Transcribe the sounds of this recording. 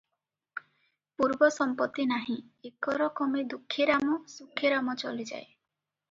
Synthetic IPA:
puɾbɔsɔmpɔt̪ːinaɦĩekɔɾɔkɔmed̪ukʰːeɾamɔsukʰːeɾamɔt͡ʃɔlid͡ʒa̰e

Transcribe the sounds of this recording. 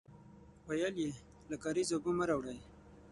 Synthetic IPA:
wajalje | lakɑɾizoɡuməɾawɽaj

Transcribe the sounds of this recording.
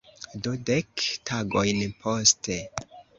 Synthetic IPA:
dudektʰaɡojnpʰoste

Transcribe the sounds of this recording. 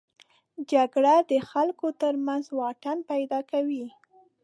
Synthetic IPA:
d͡ʒaɡɽad̪əxalkot̪əɾmanzwɑʈanpajd̪ɑkawi

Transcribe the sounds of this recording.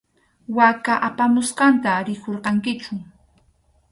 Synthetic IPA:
wakaʔapamʊsqɑnt̪aɾɪkoɾqɑŋkɪt͡ʃʊ

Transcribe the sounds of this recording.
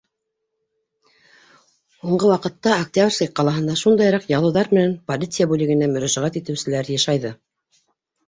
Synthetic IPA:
huɴɢɤwɑqɤ̆t̪ːɑok̚t̪ʲabrskɑj̚qːɑlˠɑɦɤ̆nd̪ɑʃund̪ɑjɾɑqjɑlˠɤwðɑɾmɘ̆nænpolʲit̪sɨjabʉlɘ̆ɡɘ̆næmɵ̆ɾæʒæʁæt̪it̪ɘ̆wsɘ̆læɾjɑʃɑjðɤ

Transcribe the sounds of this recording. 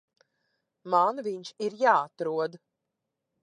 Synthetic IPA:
manviɲʃiɾjaːat̪ɾuɔd̪

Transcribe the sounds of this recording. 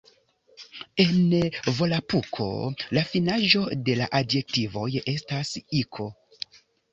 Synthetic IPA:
e̞nvo̞lapukʰo̞̰lafinaʒo̞de̞laʔadje̞k̚tivo̞je̞stasikʰo̞

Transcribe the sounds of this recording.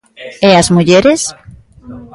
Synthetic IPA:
ɛazmuʎeɾes

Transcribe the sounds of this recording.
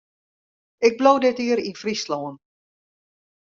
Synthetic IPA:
ɪɡ̚blowdɪtiəɾinfrisloːən

